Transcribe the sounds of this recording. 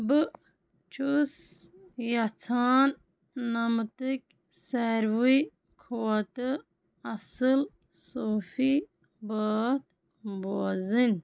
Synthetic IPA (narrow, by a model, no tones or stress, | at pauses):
bɨ | t͡ʃʰus | jɐt͡sʰaːnː | ɐmt̪ɨk̚ʲ | seɾwi | kʰowɐt̪ɨ | ɐsɨl | soːfi | bəːt̪ | boːzin